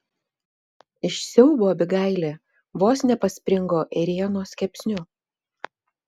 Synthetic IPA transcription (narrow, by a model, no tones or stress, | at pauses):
ɪʃsʲɛʊboːbʲɪɡɐˑɪlʲeː | ʋoːsnʲɛpɐsʲpʲɾʲɪŋɡoːʔɛɾʲiɛnoːsʲkʲɛpʲsʲnʲʊ